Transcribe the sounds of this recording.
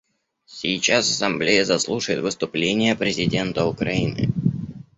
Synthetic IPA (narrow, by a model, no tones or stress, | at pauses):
sʲɪjt͡ɕasɐsɐmblʲejəzɐslˠuʂəjɪt̪vɨst̪ʊplʲenʲɪjəpɾʲɪzʲɪdʲe̞nt̪əʊkɾɐinɨ̰